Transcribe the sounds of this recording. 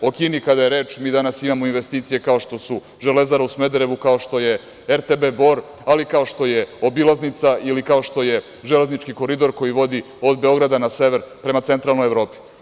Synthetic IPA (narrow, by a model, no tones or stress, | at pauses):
o̞kinikad̪ajeɾe̞ːt͡ʃmiːd̪anasimamo̞inʋest̪iːt̪sije̞kao̞ʃt̪o̞su | ʒe̞le̞zaɾausme̞d̪eɾe̞ʋukao̞ʃt̪o̞je̞ | eɾt̪ebebo̞ɾ | alikao̞ʃt̪o̞je̞o̞bilˠaznit̪saʔilikao̞ʃt̪o̞je | ʒeleznit͡ʃkiko̞ɾid̪o̞ɾko̞jiʋo̞d̪i | o̞d̪be̞o̞ɡɾad̪anase̞ʋe̞ɾpɾe̞mat̪se̞nt̪ɾalˠnojevɾo̞ːpi̥